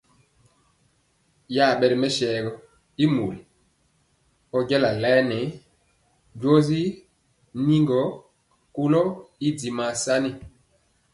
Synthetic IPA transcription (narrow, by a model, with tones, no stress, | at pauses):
ja˦˨ɓɛ˨ɾmɛ˦ʃɛː˨ɡɔ˦ | i˦mu˨l | ɔ˦ɟɛ˦la˨lɛ˦nɛ˨˦ | ɟwɔ˦zi˦ | ni˦ŋɡɔ˨˦ | ku˦lɔ˦i˦di˨ma˨sa˦ni˦˨